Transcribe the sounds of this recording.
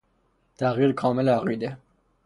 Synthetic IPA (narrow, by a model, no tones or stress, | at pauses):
t̪ʰæɣiːɾkʰɒːmelæɣiːd̪e